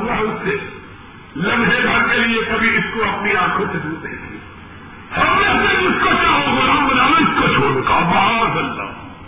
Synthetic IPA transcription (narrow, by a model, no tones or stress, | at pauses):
ɐʊse | lɐ̃mɦeɡʱɐɾkeliekɐbʱiɪskoɐpniaːkʰõsed̪uːt̪ẽt̪ʰĩː | hɐmːẽsekʊskot͡ʃaːɦoɡaɦɐ̃mbɐnaːɪskot͡ʃʰoːɾkabaːzɐlːa̰ː